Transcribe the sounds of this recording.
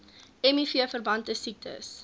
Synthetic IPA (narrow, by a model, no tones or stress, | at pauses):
ɛmifiəfərbɐntəsik̚tə̰s